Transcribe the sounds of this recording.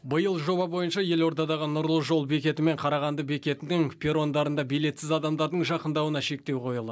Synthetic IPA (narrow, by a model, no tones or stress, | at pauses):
bəjəlˠʒo̞bɑbo̞jənʃɑje̞lo̞ɾt̪ɑd̪ɑʁənʊɾlˠəʒo̞lˠbe̞kʲe̞t̪ɪme̞ɴqʰɑɾɑʁɑnd̪əbe̞kʲe̞t̪ɪɪŋpʲeɾo̞nd̪ɑɾənd̪ɑbijle̞t̪sɪzɑd̪ɑmd̪ɑɾd̪əɴʒɑqənd̪ɑwənɑʃe̞k̚t̪e̞wqʰo̞jəlˠə